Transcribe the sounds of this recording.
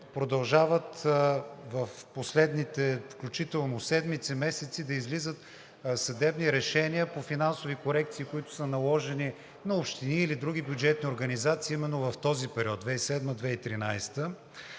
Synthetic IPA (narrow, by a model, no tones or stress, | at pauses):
pɾod̪ɐlˠʒavət̪ | vɐfposlɛd̪nit̪ɛfklʲut͡ʃit̪ɛlˠnosɛd̪mit̪sɛmɛsɛt̪sid̪ɐizlizət̪ | sɐd̪ɛbniɾɛʃɛniəpofinansovikoɾɛkt̪siːkoit̪ʊ̥sənɐlˠɔʒɛni | nɐopʃt̪iniːlid̪ɾuɡ̟ʲibjud͡ʒɛt̪nioɾɡɐnizat̪siːimɛnːovɐft̪ɔzipɛɾʲiɔt̪̚d̪vɛisɛd̪məd̪vɛit̪ɾinajst̪ə